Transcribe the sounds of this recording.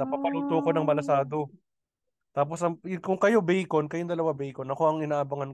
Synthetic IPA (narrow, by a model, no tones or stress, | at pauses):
ɐpɐpɐluːt̪oko̞nɐŋmɐlɐsaːd̪o̞ | t̪aːp̬o̞sɐŋkʊŋkɐjo̞bɛjkonkɐjoŋd̪ɐlɐwabɛjkonɐko̞ɐŋɪnaːʔɐbɐŋɐn